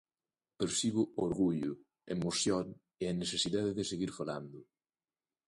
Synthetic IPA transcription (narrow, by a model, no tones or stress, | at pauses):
peɾsiβʊoɾɣuʎʊ | ḛmoθjoŋ | eɐnesesiðaðɪðɪseɣiɾfala̰nd̪ʊ